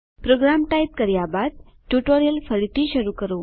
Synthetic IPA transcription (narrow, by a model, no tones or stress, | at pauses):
pɾoɡɾamʈajp̚kəɾjabad̪̚ | ʈjuʈoɾijəlfəɾiʈ̪iːɕəɾukəɾo